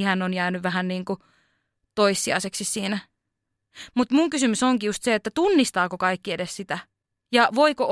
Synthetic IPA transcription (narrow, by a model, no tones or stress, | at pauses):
ihænːonjæːnyʋʋæhænniːŋku | t̪oisːiɑ̰iseksissiːnæ | mut̪muŋkysymysoŋkijust̪seet̪ːæt̪unːist̪ɑːkokɑikːiedessit̪æ | jɑʋoiko